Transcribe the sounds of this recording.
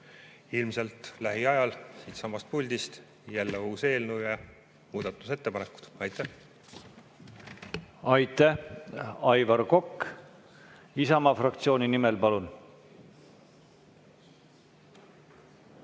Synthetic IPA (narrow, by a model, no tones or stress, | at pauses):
ilmselt̪læɦiɑjɑlsiːt̪sɑmːɑst̪̚pulʲd̪ist̪ | jælːeuːse̞ːlnujɑ | muːd̪̥ɑt̪ːˑu̥se̞t̪ːe̞pɑneku̥d̪̥ɑjt̪ːˑæh | ɑjt̪ːæhɑjvɑɾko̞kː | isɑmɑfrɑkt̪sio̞ːnʲinimelpɑlun